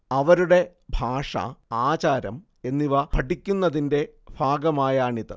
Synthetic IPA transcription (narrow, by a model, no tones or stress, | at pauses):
ɐʋɐɾuɽe̞ | bʱaːʂɐ̰aːt͡ɕaːɾɐ̰m | e̞nːiʋɐpɐʈikʲːunːɐðinde̞bʱaːɡɐmaːjaːɳiðɐ̰